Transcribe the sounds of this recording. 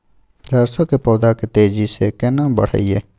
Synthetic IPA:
zaːɾsokepɔːd̪aket̪eːd͡ʒisekenãbə̰ɽ̤a̰iḛː

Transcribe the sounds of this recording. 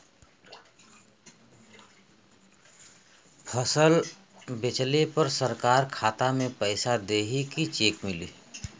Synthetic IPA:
pʰəsəl | bet͡ʃlepəɾsəɾkaːɾkʰaːt̪amẽpəɪsad̪eːɦikit͡ʃeːkmɪliː

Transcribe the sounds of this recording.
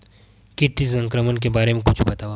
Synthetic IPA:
kɪʈːisə̃ŋkɾəmənk̬ebaːɾemẽkʊt͡ʃʰbɐt̪aːʋa

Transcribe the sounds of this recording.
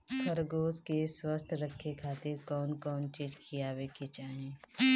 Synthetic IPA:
kʰəɾɡoːskeswəst̪ʰɾəkʰːekʰaːt̪ɪɾkɔːnkɔːnt͡ʃiːd͡ʒkʰijaːweket͡ʃaːɦẽː

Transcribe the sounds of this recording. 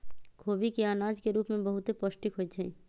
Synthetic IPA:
kʰoːbikiaːnaːd͡ʒkeɾuːpmẽbɐɦʊt̪epɔʃʈɪkɦoit͡ʃʰɛ̃

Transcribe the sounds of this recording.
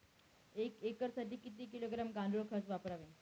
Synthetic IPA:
ekekəɾsaʈiːkit̪iːkiloɡɾamɡãd̪ʱuɭkʰəsʋapəɾaʋe

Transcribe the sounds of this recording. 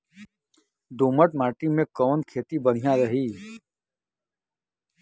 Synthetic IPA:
d̪uːməʈmaːʈimẽkɔːnkʰeːt̪ibən̤ijãɾəɦiː

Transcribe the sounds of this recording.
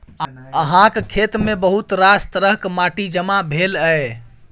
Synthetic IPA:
əɦãkkʰet̪mebəɦut̪ɾast̪ɾəɦkmaʈid͡ʒəmabʱeləe

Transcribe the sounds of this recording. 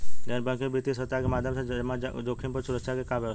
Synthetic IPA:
lenbə̃kebit̪isət̪ːakemaːd̪ʱjəmsamãd̪oːkʰinpəɾsʊɾəkʃʰakekaʋəʋ

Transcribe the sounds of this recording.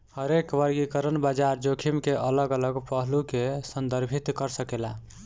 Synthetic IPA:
həɾekʋəɾɡikəɾənbad͡ʒaɾd͡ʒokʰimkeʔələɡələɡpəɦlukesənd̪əɾbʱit̪kəɾsəkela

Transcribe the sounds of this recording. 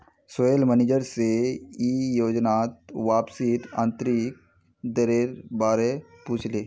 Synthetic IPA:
soelmənid͡ʒəɾseijoːd͡ʒnaːt̪ʋaːpsit̪ã̰ːnt̪ɾik̚ | d̪əɾeɾbaːɾepuːt͡ʃʰleː

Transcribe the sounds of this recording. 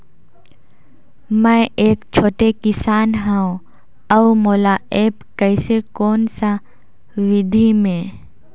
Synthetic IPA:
mɛ̃eːkt͡ʃʰoːʈekɪsaːnɦɛ̃õ | ɐwmoːlaʔeːpkɛɪsekoːnsa | ʋɪd̪ʱimẽː

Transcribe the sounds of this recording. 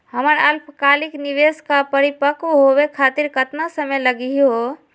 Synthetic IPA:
həməɾəlpʰkalikniʋeskapəɾipəkɦobekʰat̪iɾkət̪nasəmeləɡio

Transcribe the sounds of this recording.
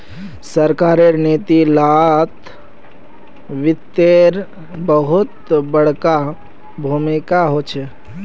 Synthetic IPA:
səɾkaɾeɾnet̪ilat̪ʰ | ʋit̪ːeɾ | bəɦut̪bəɽ̤ka | bʱumikaɦot͡ʃʰɛ

